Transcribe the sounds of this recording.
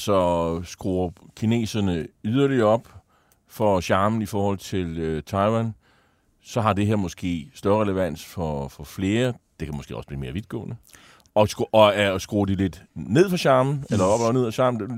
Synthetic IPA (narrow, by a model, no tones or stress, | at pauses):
sɒ̽sɡ̥ʁuːɐkʰine̝̰ːsɐnəyðˠɐliɐɒ̽b̥ | fɒɕɑ̈ːmn̩ifɒːhɒ̽l̰t͡sʰe̝løt͡sʰɑ̈ɪwæn | sɒ̽ɦɑ̈d̥e̝ɦeɐ̰mɔ̽sɡ̥e̝̰ːsd̥ɶɐʁɛləʋæn̰sfɒfɒ̽fle̝ːɐd̥ekʰæmɔsɡ̥e̝̰ːɒ̽sb̥lḭːme̝ːɐʋid̥̚ɡ̥ɔ̰̽ːnə | ɒ̥̽ɒæsɡ̥ʁoːd̥ile̝d̥ne̝ð̰ˠfɑɕɑ̈ːmn̩elɐɒb̥lane̝ð̰ˠfɑɕɑ̈ːmnd̥e